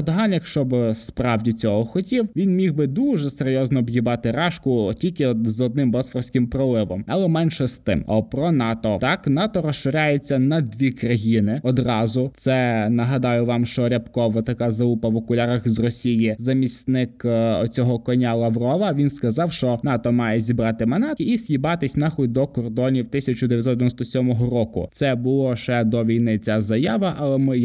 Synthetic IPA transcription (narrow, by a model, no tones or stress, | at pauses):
d̪ɔɦɑnjɐkʃt͡ʃɔbɪspɾɑwdʲit͡sʲɔɦɔxɔtʲiwʋʲinmʲixbɪd̪uʒɛseɾʲjɔznɔːbjibɑt̪ɪɾɑʃkʊtʲilʲkɪzɔd̪nɪmbɔsfɔwsʲkɪmpɾɔlˠɪʋɔmɐlˠɛmɛnʃɛst̪ɪ̰mɔpɾɔnɑt̪ɔt̪ɑknɑt̪ɔɾɔsʃɪɾʲajet͡sʲːɐnɐd̪ʋʲikɾɐjinɪɔd̪rɑzʊt̪sɛnɐɦɐd̪ɑjʊʋɑmʃt͡ʃɔɾʲɐpkɔʋɔt̪ɐkɑzɐupɐʋɔkʊlʲaɾɐxzrɔsʲijɪzɐmʲisʲnɪkɔ̰t͡sʲɔɦɔkɔnʲalˠɐʋrɔʋɐʋʲinskɐzɑwʃt͡ʃɔnɑt̪ɔmɑjɛzʲibɾɑt̪ɪmɐnɑt̪̚kɪisʲjibɑt̪ɪsʲnɑxʊd̪ɔkɔrd̪ɔnʲiwt̪ɪsʲɐt͡ʃʊd̪eɪʋʲjɐsɔd̪ʲʋjnɔst̪ɔsʲɔmɔɦɔɾɔkʊ̰tsɛbʊlˠɔʃɛd̪ɔʋʲijnɪt͡sʲazɐjaʋɐʔɐlˠɛmɪ